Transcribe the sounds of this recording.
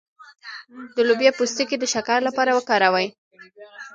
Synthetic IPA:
d̪əlubjɑpust̪iked̪əʃakaɾlapɑɾawəkɑɾawaj

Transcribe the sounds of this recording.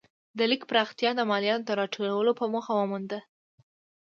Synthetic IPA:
d̪əlikpɾɑxt̪jɑd̪əmɑljɑnot̪aɾɑʈʰolawəlopəmuxawəmund̪ə

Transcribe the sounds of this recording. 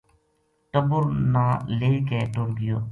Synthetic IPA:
ʈəbʊɾnaːleːkeːʈʊɾɡɪjoː

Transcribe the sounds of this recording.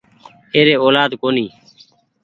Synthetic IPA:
eːɾeːoːlaːd̪koːniː

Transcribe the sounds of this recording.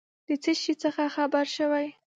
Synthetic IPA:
d̪̥ət͡səʃit͡səxaxabaɾʃəwaj

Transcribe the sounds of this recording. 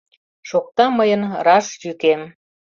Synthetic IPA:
ʃok̚t̪ɑməjənrɑʃjykem

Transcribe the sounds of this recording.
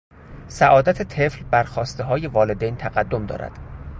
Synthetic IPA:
sæʔɒːd̪æt̪ʰet̪ʰeflbæɾxɒːst̪eɦɒːje̞vɒːle̞d̪ejnt̪ʰæɣæd̪ːomd̪ɒ̰ːɾʔæ̰d̪̥

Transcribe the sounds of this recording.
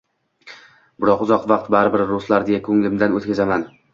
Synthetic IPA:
bɪɾɒqʊzɒq̪vɑqt̪baɾɪbɪɾɾoslaɾd̪ejakʰɵŋlɪmd̪anot̪kʰʲazaman

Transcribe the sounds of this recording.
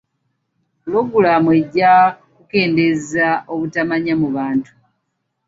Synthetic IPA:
lo̞ɡulamue̞ɟːa | kuke̞ːnde̞zaʔo̞βutamaɲamuβaːntu̥

